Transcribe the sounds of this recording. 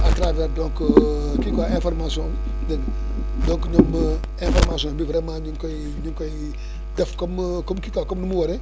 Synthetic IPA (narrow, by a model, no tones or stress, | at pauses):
at̪ɾavɛɾdõŋkkikaẽfoɾmasõ | dɐn | dõŋknom | ẽfoɾmasõbivɾemãɲiŋkõ | ɲuŋkõj | dɛfkomkomkikakomnumuwoɾe